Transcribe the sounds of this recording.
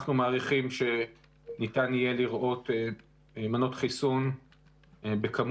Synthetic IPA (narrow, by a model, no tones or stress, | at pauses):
χnumaːʁiχimʃe̞ | nitanije̞liʁʔo̞tː | mano̞tχisun | bekam